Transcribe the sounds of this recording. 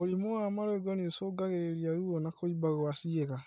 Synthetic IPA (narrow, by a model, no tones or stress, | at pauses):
oɾimoamaɾoɡɔniosoːɡaɣeɾeɾiaɾuonakoibaɣoasieɣa